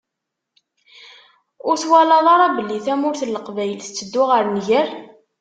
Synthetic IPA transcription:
ʊɾθwælɑðˤɑɾˤɑbəlːiθæmʊɾθəlːəqvæjəlθə̥t͡sːəd̪ːʊʁəɾnʝəɾ

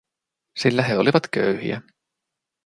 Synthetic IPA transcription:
silːæɦe̞o̞liʋɑt̪køɥhḭæ̰

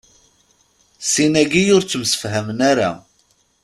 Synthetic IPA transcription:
sinæɡijʊɾt͡sːəmsə̥fɦæmənaɾa̰

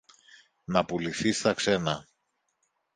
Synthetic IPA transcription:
nɐpuliθist̪ɐkse̞nɐ

